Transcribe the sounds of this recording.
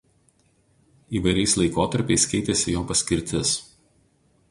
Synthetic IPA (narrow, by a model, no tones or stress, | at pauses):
iːʋɐɪɾʲɛɪslˠɐɪkoːt̪ɐɾʲpʲɛɪskʲɛɪt̪ʲɛsʲɪjoːpɐsʲkʲɪɾʲt̪ʲɪs